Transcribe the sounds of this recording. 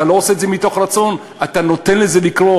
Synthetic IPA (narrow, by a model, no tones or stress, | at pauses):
alo̞oseːdzemit̪o̞χʁat͡so̞n | at̪ano̞t̪enleze̞likʁo̞